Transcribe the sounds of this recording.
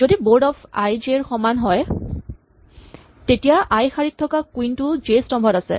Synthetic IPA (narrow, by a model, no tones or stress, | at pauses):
zodiboɹdɔpʰajd͡ʒeɹxɔmanɦɔj | tetijaʔajxaɹitʰːɔkakwintʊd͡ʒestɔmbʱɔtasɛ̰